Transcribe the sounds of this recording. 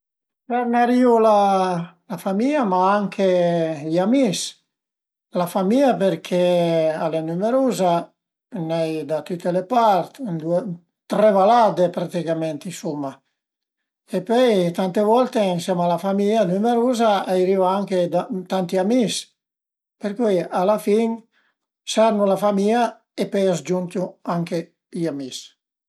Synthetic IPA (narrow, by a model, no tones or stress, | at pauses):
pɛɾnaɾiulalafamiamaaŋkʰeʎamis | lafamiːapeɾkʰealenumeɾuːza | nɛjd̪at̪ut̪ːelepaɾt̪nd̪ue | t̪ɾevalad̪epɾat̪ikamɛnt̪insumːa | epøjt̪ant̪evɔlt̪einsjamalafamianymeɾuːzaajɾivaaŋked̪at̪ant̪iamis | peɾkujalafiŋ | saɾnulafamia | epœjazd͡ʒunt̪uaŋke | iamis